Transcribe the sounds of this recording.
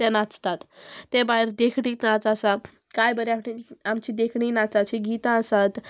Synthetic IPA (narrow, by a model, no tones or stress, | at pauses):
t̪ɛnat͡st̪at̪ːẽbaɦiɾd̪ekʰɽiːt̪nat͡sasa | kajbəɾjakʰʈiamt͡ɕid̪ekʰɽinat͡sat͡ɕiɡit̪ãəsat̪